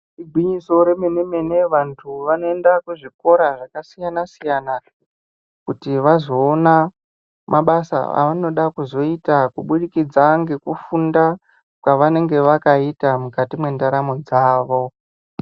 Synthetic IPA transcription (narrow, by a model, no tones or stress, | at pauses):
iɡʱwiɲiso̞ɾe̞mene̞me̞ne̞ʋantʰuʋano̞e̞ndakuʐiko̞ɾaʐakasijanasijana | kutiʋazo̞ːna | mʔaɓasa̰a̰ʋano̞ɗakuzo̞itakuɓuɗikid͡zaŋɡe̞kufunda | kwaʋane̞ŋɡe̞ʋakaitamukatimwe̞ndaɾamo̞d͡zaːʋo̞